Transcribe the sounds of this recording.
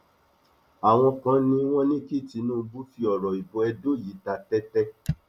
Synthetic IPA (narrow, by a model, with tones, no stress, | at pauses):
a˨w̃ɔ̃˧kã˧˦nĩ˧w̃ɔ̃˦nĩ˦ki˦˨ti˧˦nũː˦˧bu˦fi˧ɔ˨ɾɔ˨i˨bo˨˦ɛ˧do˦˨ji˨˦ta˧tɛ˦tɛ˦